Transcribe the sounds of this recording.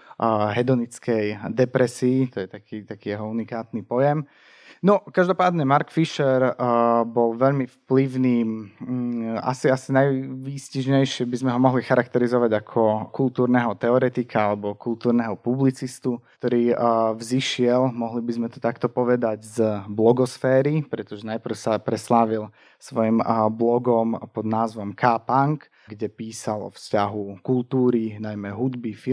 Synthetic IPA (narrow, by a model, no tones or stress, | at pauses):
ɦɛd̪ɔnit͡skɛjd̪ɛpɾɛsiːt̪ɔjɛt̪akiːt̪akiːjɛɦɔunikaːt̪nipɔjɛm | nɔkaʒd̪ɔpaːd̪ɲɛmaɾkfiʃɛɾbɔlʋɛʎmifpliʋniː | a̰siasinajʋiːsciʒɲɛjʃɪɛbizmɛɦɔmɔɦlixaɾakt̪ɛɾizɔʋaɟakʰɔkulˠt̪uːɾnɛːɦɔt̪ɛɔɾɛt̪ikʰaalɛbɔkulˠt̪uːɾnɛːɦɔpublit͡sist̪ukt̪ɔɾiːvziʃɪɛlmɔɦlibizmɛt̪ɔt̪akt̪ɔpɔʋɛd̪aɟzblɔɡɔsfɛːɾipɾɛt̪ɔʒɛnajpr̩ʊsapɾɛslaʋil | sʋɔjimblɔɡɔmpɔd̪naːzʋɔmkʰaːpaŋk | ɡɟɛpiːsalɔ̰fscaɦukulˠt̪uːɾinajmɛɦud̪bifi